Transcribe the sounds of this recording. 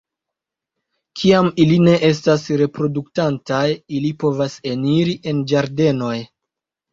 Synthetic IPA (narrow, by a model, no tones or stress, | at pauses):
kʰiamiline̞ʔe̞s̬tasɾe̞pɾo̞duktantajilipo̞vase̞niɾiʔe̞nd͡ʒaɾde̞no̞j